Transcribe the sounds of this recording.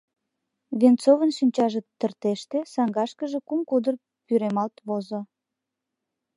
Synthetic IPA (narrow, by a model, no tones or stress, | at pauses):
βent͡sovənʃinʲt͡ɕɑʒə̆t̪ːərt̪eʃt̪esɑŋɡɑʃkəʒe̽kumkud̪ər | pyɾemɑlt̪βozo